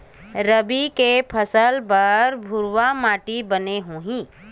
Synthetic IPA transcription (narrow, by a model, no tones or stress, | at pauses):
ɾəbikepʰəsəlbəɾbʱʊɾʋamaːʈibəneɦũːɦĩː